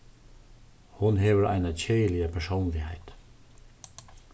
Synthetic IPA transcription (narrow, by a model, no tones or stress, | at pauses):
hʊnɦeːʋəɾʔæ̰ɪnəçʰeɪəlɪəpʰæʃoːnlɪhæ̰ɪt̪